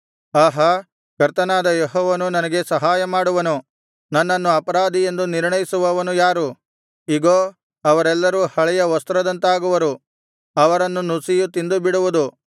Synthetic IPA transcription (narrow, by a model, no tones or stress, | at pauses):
aːɦɐ | kɐɾt̪ɐnaːd̪ɐjeɦɔːʋɐnunɐnɐɡe̞sɐɦaːjɐmaːɽuʋɐnu | nɐnːɐnːuɐpɐɾaːd̪ije̞nd̪uniɾɳɐjisuʋɐʋɐnujaːɾu | iɡoː | ɐʋɐɾɛlːɐɾuhɐɭɛjɐʋɐst̪ɾɐd̪ɐnt̪aːɡuʋɐɾu | ɐʋɐɾɐnːunusijut̪ind̪ubiɽuʋud̪u